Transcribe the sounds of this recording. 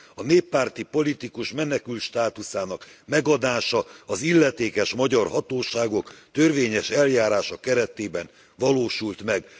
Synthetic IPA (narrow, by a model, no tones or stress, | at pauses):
ɒneːpːaːrt̪ipo̞lit̪ikuʃmɛnɛkylt̪ʃt̪aːt̪usaːnɒkmɛɡɒd̪aːʃɒɒzilːɛt̪eːkɛʃmɒɟɒrɦɒt̪oːʃaːɡo̞kt̪ørʋeːɲɛʃɛljaːɾaːʃɒkɛɾɛt̪eːbɛn | vɒloːʃult̪mɛɡ